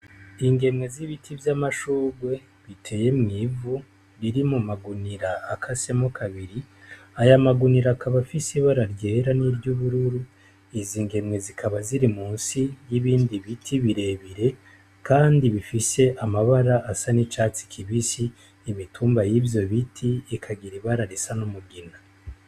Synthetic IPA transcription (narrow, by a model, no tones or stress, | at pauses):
iŋɡe̞mŋe̞ziβitʰivjamaʃuːɡwe̞ | βitʰe̞ːje̞mŋivu | ɾiɾimumaɡuniɾaːkʰase̞mokʰaβiɾi | ajamaɡuniɾakʰaβafisiβaɾaɾɟeːɾaniɾɟuβuɾuɾu | iziːŋɡe̞mŋe̞zikʰaβaziɾimuːnsijiβiːndiβitʰiβiɾe̞βiɾe̞ | kaːndiβifise̞ʔamaβaɾaʔːsanit͡ʃat͡si̥kʰiβisiː | mituːmbajivjo̞βitʰiːkʰaɡiɾiβaɾaɾisanomuɡina